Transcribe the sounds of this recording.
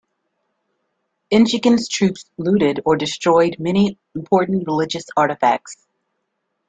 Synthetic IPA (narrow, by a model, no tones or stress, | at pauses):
ɪ̃nʃɨɡɨ̃nz̥tʰɹ̥ʉpslʉɾɪɾə˞dɨstɹ̥ɔɪd̚mɛñĩ | m̩pʰɔɹʔn̩ɹəlɪd͡ʒɨsɑɹɾɨfæ̰k̚ts